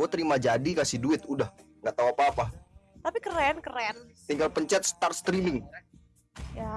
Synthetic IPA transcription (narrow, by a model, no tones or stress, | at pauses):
ot̪əɾimad͡ʒadikasihduɪt̪udahŋɡaʔt̪auapaːpat̪apikəɾɛnkəɾɛnt̪iŋɡalpəɲt͡ʃɛt̪̚st̪arst̪ɾimɪŋ | ja